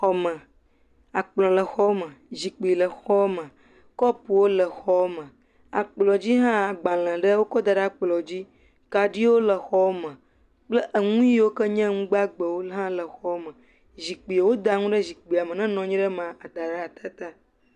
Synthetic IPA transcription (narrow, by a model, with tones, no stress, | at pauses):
xɔ˨mə̃˨ | a˨k͡plɔ̃˨lə˨xɔ˦mə̃˨zi˨k͡pi˨lə˨xɔ˦mə̃˨ | kɔ˦pu˨wo˦lə˨xɔ˦mə̃˨ | a˨k͡plɔ˨d͡ʑi˦ɦã˦˨ɡ͡bã˨l̃ə̃˨ɖə˦wo˦kɔ˦d̪a˨ɖa˨k͡plɔ˨d͡ʑi˦ | ka˨ɖi˦wo˦lə˨xɔ˦mə̃˨ | k͡plə˦ʔə˨ŋũ˦ji˦wo˦kə˦ɲɛ̃˦ŋũ˦ɡ͡ba˦ɡ͡bə˨wo˦ɦã˦lə˨xɔ˦mə̃˨ | zi˨k͡pi˨wo˦d̪a˨ŋũ˦ɖə˦zi˨k͡pi˨a˨mə̃˨nɛ̃˦nɔ̃˨ɲĩ˦ɖə˦mã˨a˨d̪a˨ɖə˦a˨t̪ʰa˦t̪a˦